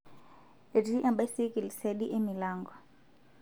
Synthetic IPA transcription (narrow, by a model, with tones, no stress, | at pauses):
e˨ɾi˦ʔa˨mba˦si˦ki˨li˨se˦ɗi˦ʔe˦mi˨laːŋɡɔ˨